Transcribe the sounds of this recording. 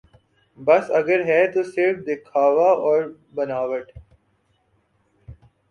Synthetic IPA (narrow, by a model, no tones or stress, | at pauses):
bɐsɐɡəɾɦɛːt̪useːʋd̪əkʰaːʋaɔːɾ | bɐnaːʋəʈ